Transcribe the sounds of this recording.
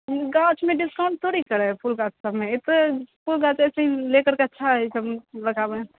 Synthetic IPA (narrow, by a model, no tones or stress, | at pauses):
ɡat͡ʃmeɖiskãʊ̃ɳɖ̚t̪ʰoɾikəɾɛpʰulɡat͡ʃsəbmeet̪opʰulɡat͡ʃɛsəĩlekəɾkeətːʃʰaɦisəbɾəkʰabe